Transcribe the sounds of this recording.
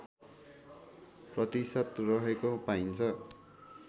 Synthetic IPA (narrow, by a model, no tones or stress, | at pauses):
prʌt̪isʌt̪rʌɦekopaint͡sʰʌ